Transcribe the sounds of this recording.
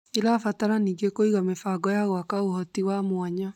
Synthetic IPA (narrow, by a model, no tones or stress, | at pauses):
eɾafataɾaniːŋɡekoiɣamefaɡɔjaɣwakaohɔtiɣwamwaɲa